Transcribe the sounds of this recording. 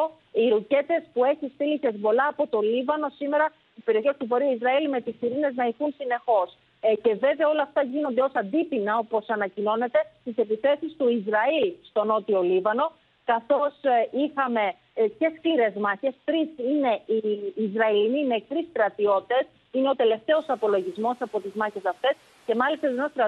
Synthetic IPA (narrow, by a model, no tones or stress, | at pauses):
o | iɾuce̞t̪e̞spue̞çist̪ilisezbo̞lɐːpo̞t̪o̞livɐno̞sime̞ɾɐ | ispeɾio̞çe̞st̪ubo̞ɾiuizɾɐilme̞t̪isiɾine̞znɐixunsine̞xo̞s | ce̞ve̞veɐo̞lɐːft̪ɐʝino̞nd̪eo̞sɐnd̪ipinɐo̞po̞sɐnɐcino̞ne̞t̪e̞st̪ise̞piθe̞sist̪uizɾɐilst̪o̞no̞t̪io̞livɐno̞ | kɐθo̞sixɐme̞ | ce̞skliɾe̞zmɐçe̞st̪ɾisine̞iːzɾɐilinimet̪ɾist̪ɾɐt̪io̞t̪i̥t̪e̞s | ine̞o̞t̪e̞le̞ft̪e̞o̞sɐpo̞lo̞ʝizmo̞sɐpo̞t̪izmɐçe̞sɐft̪e̞s | ce̞mɐlist̪ɐzenost̪ɾɐ